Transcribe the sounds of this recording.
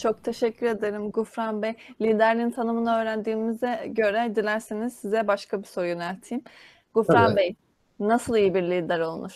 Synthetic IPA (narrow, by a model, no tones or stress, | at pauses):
t͡ʃʰo̞k̚t̪ʰe̞ʃɛcʰːyɾe̞d̪eɾɯmɡufɾanbejlʲiːd̪æɾlʲiint̪ʰanɯmɯnaøːɾænd̪iːmizɛɟø̞ɾɛd̪ilʲæɾsiniz̥sizɛbaʃkʰabiso̞ɾjønælʲt̪ʰiːm | ɡ̥ufɾambej | nasɯlˠijibiɾlʲiːd̪æɾo̞lˠmuɾ̥